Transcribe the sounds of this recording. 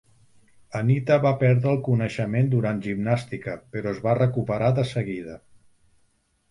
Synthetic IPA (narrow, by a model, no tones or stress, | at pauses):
ənit̪əβapɛɾðɾəːlˠkunəʃəmend̪uɾant̪ʒimnast̪ikəpəɾɔəzβarəkupəɾaðəsəɣiðə